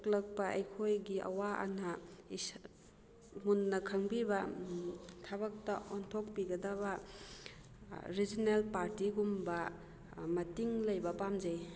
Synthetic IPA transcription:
klɐk̚pɐʔḛjkʰojɡiʔɐ̰waa̰nɐis | ŋunːɐkʰɐŋbibɐ | tʰaβɐk̚tɐɔntʰɔk̚piɡɐdaβɐ | ɾizinelpaɾtiɡumbɐ | mɐtiŋlɐjbɐpamzej

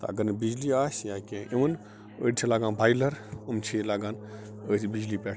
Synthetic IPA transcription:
t̪ɐɐ̰ɡəɾnɨbid͡ʒliaːsjãːkʲẽʔiʋɐn | ə̰ːt͡ʃʰilaːɡaːnbʱaːjlɐɾɐmt͡ʃʰilaːɡaːn | əsbid͡ʒliːpɛːʈʰ

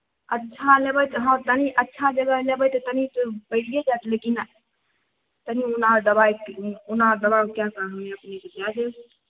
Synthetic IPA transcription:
ətːʃʰalebəjt̪ɦəmt̪əniʔətːʃʰad͡ʒəɡəlebəjt̪ɔt̪ənit̪ɔbəɪɽijed͡ʒat̪lekin | t̪əniunaɾd̪əbajkunaɾd̪əbakjãkəɦəeəpnekepad͡ʒe

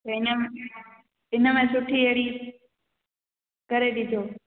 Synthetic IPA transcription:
oɪnə̃ | ɪnəmẽsʊʈʰieɽi | kɐɾeɗɪd̪ʱo

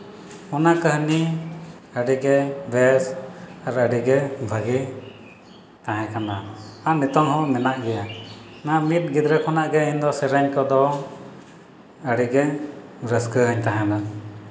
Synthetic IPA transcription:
ɔnakəɦni | əɖiɡɛbɛsaɾəɖiɡɛbʱəɡi | t̪ãɦɛ̃kanaanɛt̪ɔŋɦɔ̃mɛnaʔɡɛja | namit̪̚ɡid̪ɾɛkʰɔnaʔɡɛiɲd̪ɔsɛɾəɲkɔd̪ɔ | əɽiɡɛbɾəskəɦəɲt̪aɦɛ̃na

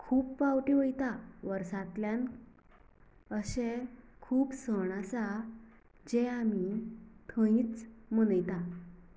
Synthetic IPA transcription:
kʰuːpfawʈiʋəjt̪aʋəɾsat̪ljan | əɕekʰuːpsəɽ̃asa | d͡ʑeamit̪ʰə̃ĩt͡smənəjt̪a

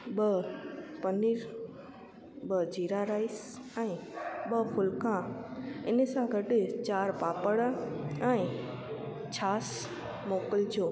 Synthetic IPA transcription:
ɓəpəniːɾ | bəd͡ʑiːɾaɾaːis | ɛ̃iɓəpʰʊlkãɪnəsãɡʱəʈɪt͡ɕaːɾpaːpəɽəɛ̃ | t͡ɕʰaːs | moːkəld͡ʑoː

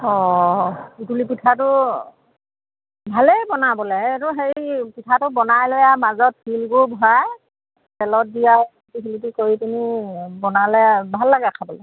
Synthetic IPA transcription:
ɔ | itulipitʰatʊ | bʱalɛjbɔnabɔlɛeɹuɦeɹipitʰatʊbɔnajlojamazɔt̚fʰilɡobʱaj | tɛlɔt̚dija | pikilitikoɹitinibɔnalɛbʱalːaɡɛakʰabɔlɛ

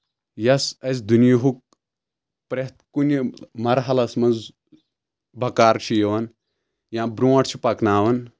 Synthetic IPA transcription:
jɐsɐzʲd̪unjiɦuk̚ | pɾeht̪̚kunʲimɐɾɦɐlɐsmɐnz | bɐkaːɾt͡ʃʰijɐʋɐn | jãːbɾuːɐʈt͡ʃʰipɐknaːʋɐn

